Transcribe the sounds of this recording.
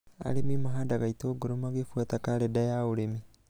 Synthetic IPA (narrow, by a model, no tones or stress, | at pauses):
a̰ɾemimoɦaːndaɣaitoɡoɾomaɣefwatakaɾɛdajaoɾemi